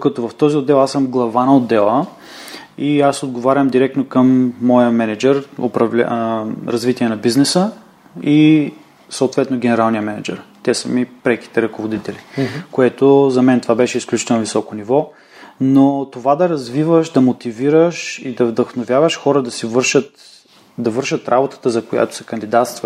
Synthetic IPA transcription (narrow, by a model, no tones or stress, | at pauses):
d̪kɐt̪ɔvɐft̪ɔziod̪ːɛlˠasəmɡlˠɐvanɐod̪ːɛlˠə | iasod̪ɡovaɾʲəmd̪iɾɛk̚t̪nokəmːɔjəmɛnɛd͡ʒɛɾo̰pɾɐvl̰ɾɐzvit̪iɛnɐbiznɛsə | i | sɐʊt̪vɛt̪noɡʲɛnɛɾalˠnijəmɛnɛd͡ʒɛ̰ɾt̪ɛsəmipɾɛki̥t̪ɛɾɐkovod̪it̪ɛlikoɛt̪ozɐmɛnt̪ovabɛʃɛisklʲut͡ʃi̥t̪ɛlˠnovisɔkonivɔ | not̪ovad̪ɐɾɐzvivəʃd̪ɐmot̪iviɾəʃid̪ɐvd̪əxnovʲjavəʃxɔɾəd̪ɐsivɤɾʃət̪ | d̪ɐvɤɾʃət̪ɾʔabot̪ə̥t̪əzɐkoja̰t̪o̥sɛ̥kɐnd̪id̪at̪st̪və